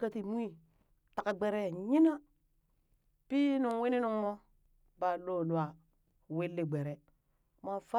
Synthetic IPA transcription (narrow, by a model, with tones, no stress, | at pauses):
ka˦ti˨mu˦i˦ | ta˨ka˨ɡ͡be˨ɾe˦˨ɲi˦na˦ | pi˦nu˨ŋwi˦ni˦nu˨ŋmo˦ | ba˨lo˦˨lu˨a˨ | we˦lːe˦˨ɡ͡be˨ɾe˨ | ma˨fa˦